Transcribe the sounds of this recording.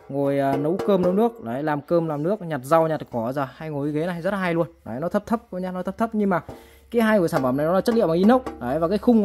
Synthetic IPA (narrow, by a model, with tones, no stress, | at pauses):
ŋo˨˩jəː˨˩nə˨˦wkəː˧mnə˨˦wnɨ˦˥ək̚laː˨˩ha̰˧˩jlaː˨˩mkəː˧mlaː˨˩mnɨ˦˥ək̚ɲa˨˩t̚za˧˩wɲa˨˩t̚kɔ˧˩zəː˨˩ha˧jŋo˨˩ʔi˨˦ɣe˨˦n˨˩ha˧˨zə˦˥t̚lːaː˨ɦa˧jlu˧ənɔ˨˩ha˨˦jnɔ˨˦t̪ʰə˦˥p̚t̪ʰə˦˥p̚kɲa˧nɔ˦ə˦˥p̚t̪ʰə˦˥p̚ɲɨ˧ŋmaː˨˩ | kaː˨˦jɦaː˧jŋ˨˩jsaː˧˩mfə˧˩mna˨˩jnɔ˨˦aː˨˩t͡ɕə˦˥t̚lḭ˧˨wa˨ʔi˧˦nə˦˥wk͡p̚nː˨˩ha˨˦jvaː˨˩kaː˨˦jxʊ˧ŋ͡m